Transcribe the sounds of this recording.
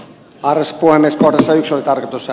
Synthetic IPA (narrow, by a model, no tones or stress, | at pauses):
ɑrʋesːɑ̥puhemːeskohdesːɑyksolit̪ɑrkot̪usːɑ